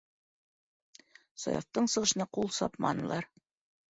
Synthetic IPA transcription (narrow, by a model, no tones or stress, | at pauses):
sɒ̰jɑ̰ft̪ɤɴsɤ̆ʁɤ̆ʃɤ̆nɑqulˠsɑ̰pmɑ̰nɤ̆lˠɑɾ